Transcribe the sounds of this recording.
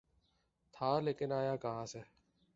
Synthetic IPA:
t̪ʰaːleːkɪnaːjaːkəɦãːseː

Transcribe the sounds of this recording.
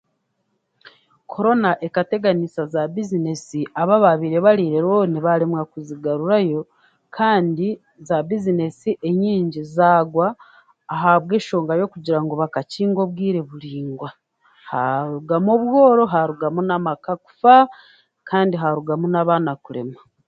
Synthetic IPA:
kʰo̞ɾo̞naʔe̞kate̞ɡanisazabizine̞siʔaβaβaβiɾe̞βaɾiːɾe̞ɾwoniβaɾemwakuziɡaɾuɾajo̞ | kʰaːndi | zabizine̞siʔe̞ɲiːɲɟizaːɡwaː | ɦaβwe̞ːʃo̞ːŋɡajo̞kuɟiɾaŋɡo̞βakaciːŋɡo̞βɡiːɾe̞βuɾiːŋɡwa | haɾuɡamoβwo̞ːɾo̞ɦaɾuɡamunamakaku̥fa | kʰaːndiɦaɾuɡamunaβanakuɾe̞̰ma

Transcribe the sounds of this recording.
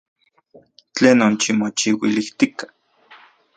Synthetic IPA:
t͡ɬeːnont͡ʃimot͡ʃiwiliht̪ikḁ

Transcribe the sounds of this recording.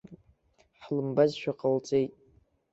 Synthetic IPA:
ħlɨmbazʃᶣaqʼəlt͡sʼejtʼ

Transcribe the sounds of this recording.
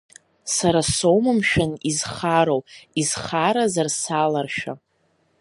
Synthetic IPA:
saɾasowmɨmʃᶣanizχaɾowizχaɾazarsalarʃᶣa̰

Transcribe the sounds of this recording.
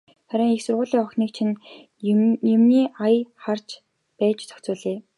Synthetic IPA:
χæɾʲɪ̆ŋixsʊrʁʊːɮiːŋɔxniːk̚t͡ɕʰin | jemniːajχar̥t͡ɕ | pæːt͡ɕt͡sʰœ̥xt͡sʊːɮeː

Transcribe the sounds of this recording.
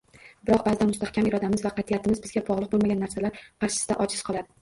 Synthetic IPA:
bɪɾɒq̚bazɪd̪anmʊst̪ahkʲamɪɾɒd̪amɪzvaqʰɑt̪ʰjat̪ʰɪmɪzbɪzɡʲabɒʁlˠɨq̚bolmaɡʲanːaɾsalaɾpʰaɾt͡ʃʰɪ̥sɪd̪aʔɒt͡ʃʰɪzqʰɒlˠad̪ɪ

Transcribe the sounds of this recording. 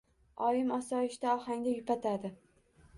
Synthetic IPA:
ɒjɪmɒsɒɪʃt̪aɒhaŋd̪ajʊpat̪ʰad̪ɪ

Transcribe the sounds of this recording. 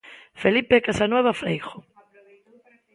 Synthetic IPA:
felipekasanweβafɾejxo

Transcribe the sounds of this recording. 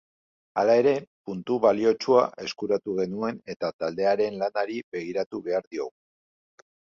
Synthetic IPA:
alae̞ɾe̞punt̪uβalio̞t͡ʃuaʔe̞skuɾat̪uɣe̞nue̞ne̞t̪at̪ald̪e̞aɾe̞nlanaɾiβe̞ɣ̞iɾat̪uβe̞aɾðio̞̰ɣu

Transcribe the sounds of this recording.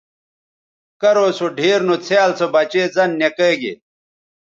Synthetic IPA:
kɐɾoːsoɖʱiːɾnut͡sʰjaːlt͡sʰobɐt͡ɕeːzɐnːekeːɡḛ

